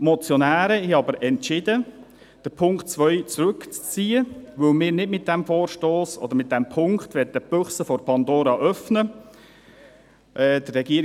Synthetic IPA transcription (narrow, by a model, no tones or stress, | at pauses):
mɔt͡sjɔnæːɾəhɛɑbəɾɛntt͡ʃɪdə | d̥əpʰʊŋktt͡sʋœʏt͡sɾʉkt͡st͡siːəʋɵlmɪːɾnɪdmɪt̚d̥ɛmfoːɾʃtoːsɔ̰d̪əɾmɪt̚d̥ɛmpʰʊŋktʋɛt̚ːəb̥øχsəfɔɾpʰɑnd̪oːɾɑʔœfnə | ʔɛːd̥̪ərɛɡiəɾ